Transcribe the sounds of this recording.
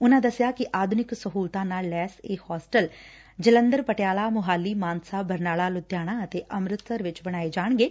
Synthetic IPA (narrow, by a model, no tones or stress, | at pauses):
ʊnãːd̪əsjaːkɪʔaːd̪ʱʊnɪksəɦuːlt̪ãːnaːlːɛːseːhɔːsʈəl | d͡ʒələ̃nd̪əɾpəʈjaːlaːmʊɦaːlːiːmaːnsaːbəɾnaːlaːlʊt̪ːjaːɽ̃ãːət̪eːʔəmɾɪt̪səɾʋɪt͡ʃbəɽ̃aːeːd͡ʒaːɳ̃ɡeː